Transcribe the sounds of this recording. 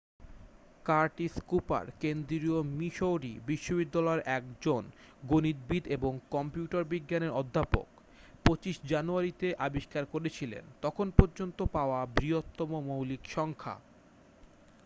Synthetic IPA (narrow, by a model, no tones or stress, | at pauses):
kaɾʈiskupa̰ɾkend̪ɾiomiʃowɖḭbiʃːobid̪ːalɔeɾʔɛkd͡ʑon | ɡonid̪̚bid̪eboŋkɔmpijuʈaɾbiɡːaneɾɔd̪ʱːapo̰k | pot͡ɕiʃd͡ʑanuaɾit̪eʔabiʃkaɾkoɾet͡ɕʰilḛnt̪ɔkʰonpɔɾd͡ʑont̪opaoabɾiot̪ːɔmomowlikʃɔŋkʰa̰